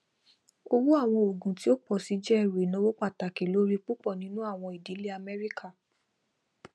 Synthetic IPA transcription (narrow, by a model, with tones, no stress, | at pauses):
o˧wu˦a˦˨w̃ɔ̃˧o˨ɡũ˨ti˨˦o˦k͡pɔ˨si˨˦d͡ʒɛ˦ɛ˦˨ɾe˨nã˨˦wo˦k͡pa˦˨ta˨ke˨lo˨˦ɾi˦k͡pu˦k͡pɔ˦˨nĩ˨˦nũ˦a˦˨w̃ɔ̃˧i˨di˨˦le˦a˧mɛ˦ɾi˦kʰa˦˨